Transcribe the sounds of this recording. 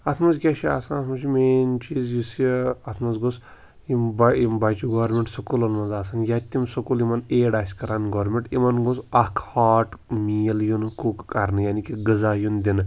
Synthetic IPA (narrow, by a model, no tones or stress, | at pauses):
ɐt̪ʰmɐzkʲaʃia̰ːsãːnɐt̪ʰmɐt͡ʃʰimeːnt͡ʃiːzjusɐt̪ʰmɐnzɡos | imbimbat͡ʃuɡoːɾmʲeɳʈsɐkulɐnmɐnzaːsanjat̪ʲːimsɐkulimɐneːɽaːsʲkɐɾaːnɡoːɾmẽɳʈimɐnɡosɐkʰhaːʈmiːljunkukkɐɾnɨjaːnikiɡɨzaːjund̪in